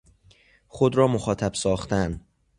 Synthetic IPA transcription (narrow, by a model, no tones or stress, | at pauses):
xod̪ɾɒːmoxɒːt̪ʰæbsɒːxt̪æn